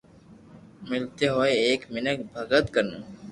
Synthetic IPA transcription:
mɪlt̪eɦoːeeːkmɪnək̚bʱəɡət̪kəɾnuː

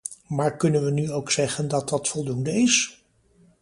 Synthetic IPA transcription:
maːɹkɵnənʋənyowksɛχəndɑt̚dɑtfɔlˠdundəɪs

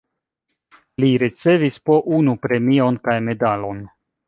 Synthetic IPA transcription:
liɾit͡se̞vispo̞ʔunupɾe̞mio̞nkajme̞dalo̞n

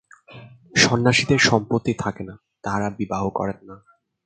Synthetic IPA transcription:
ʃɔnːaʃid̪eɾʃɔmpot̪ːit̪ʰakena | t̪aɦaɾabibaɦokɔ̰ɾenːa

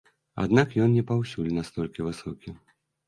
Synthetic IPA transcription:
a̰d̪nakjɔnnʲɛpawsʲulʲnast̪ɔlʲkʲivɨsɔkʲi

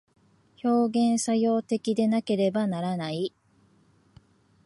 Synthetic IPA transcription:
ço̞ːɡẽ̞ɰ̃sajo̞ːt̪e̞kʲid̪e̞nake̞ɾe̞banaɾanai

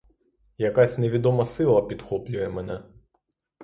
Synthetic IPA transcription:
jɐkasʲneʋʲid̪ɔmɐsɪlˠɐpʲid̪xɔplʲʊjɛmɛnɛ

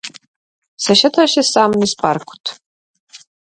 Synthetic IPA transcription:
sɐʃɐtʰaːʃɐsaːmnispʰʼa̰ːrkʷʰʊ̥tʰ

